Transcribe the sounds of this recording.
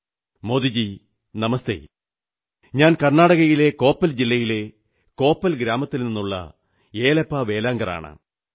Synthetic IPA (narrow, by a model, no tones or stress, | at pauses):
mo̞d̪id͡ʑi | nɐmɐst̪ḛ | ɲaːnkɐrnaːɽɐɣɐjile̞ko̞ːpːɐld͡ʑilːɐjile̞ | ko̞ːpːɐlɡɾaːmɐt̪ːilninːuɭːɐ̰ | eːlɐpːaːʋe̞ːlaːŋɡɐra̰ːɳɨ̰